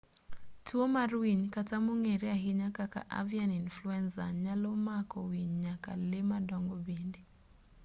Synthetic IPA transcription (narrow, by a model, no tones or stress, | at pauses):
tuomaɾwiɲkatamuŋeɾɛaɦiɲakaka̰ʔa̰vianinfluɛnsaɲalɔmakɔwiɲɲaka̰lemadɔŋɡɔbendi